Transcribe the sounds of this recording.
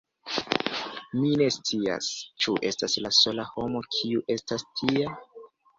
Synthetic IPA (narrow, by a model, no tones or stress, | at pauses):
mine̞st͡sia̰st͡ʃuʔe̞staslaso̞laho̞mo̞kʰiuʔe̞stastʰia